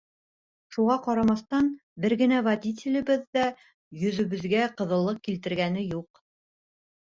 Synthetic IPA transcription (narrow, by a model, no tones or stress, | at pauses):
ʃuʁɑqɑɾɑmɑθt̪ɑnbɘɾɡɘ̆nævadʲit̪̬ʲɪlʲɘ̆bɘðːæ | jɵ̆ðɵ̆βɘ̆ðɡæqɤ̆ðɤ̆lˠːɤq̚kilt̪ɘ̆ɾɡænɘjuq